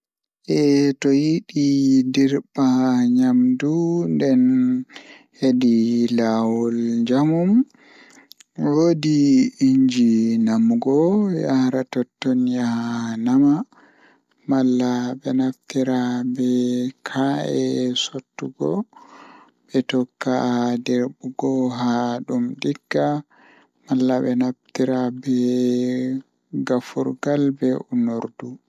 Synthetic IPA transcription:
ʔɛtɔjiɗidiɾbaɲamdundɛn | hedilawɔlɲd͡ʒamum | woːdiiɲd͡ʒinamɡɔjaɾatɔtːonijanama | malːabɛnaftiɾabɛkʰaʔɛsotːuɡɔ | ɓɛtɔkːadɛɾbuɡɔɦaɗumdiɡːa | malːaɓɛnaftiɾabɛ | ɡafṵɾɡalbɛunoɾdu

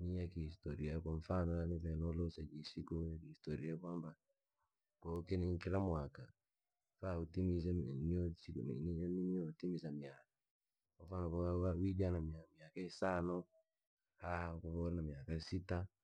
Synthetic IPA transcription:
nijakihistɔɾiakaɱfanɔlanifɛnɔlɔsad͡ʒisikujakiistɔɾiakwamba | kɔkɛniŋkilamwaka | fautimis̬ɛniɔsinḭnininiɔtimisamiaka | kamfanɔkawawid͡ʒanamiamiakaisanɔ | hakɔfɔɾnamiakaisita

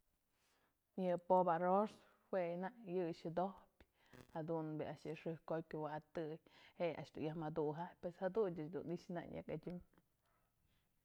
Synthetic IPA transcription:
jɨpobaɾos | hwenaʔjɨʃɨd̪ohpʲ | had̪unbeaʃjɨʂɨhkoj̚ʲkʲuwaat̪ɨjheʔa̰ʃd̪unjahmad̪uɦajʲpeshad̪unt͡ʃɨt͡ʃd̪unit͡ʃna̰ɲʔa̰kad͡ʒɨm

